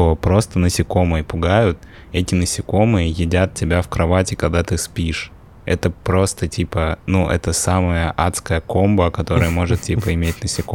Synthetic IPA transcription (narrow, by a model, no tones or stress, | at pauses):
opɾo̞st̪ənəsʲɪko̞mɨjəpʊɡajʊt̪ | ɛtʲɪnəsʲɪko̞mɨjəjɪdʲat̪̚tʲːɪbʲafkɾɐvatʲɪkɐɡ̚d̪at̪ɨspʲiʂ | ɛ̰t̪əpɾo̞st̪ətʲipənuʔɛ̰t̪əsaməjəʔat̪skəjəko̞mbəkɐt̪o̞ɾəjəmo̞ʐɨt̪tʲipəɪmʲet̚ʲnəsʲɪko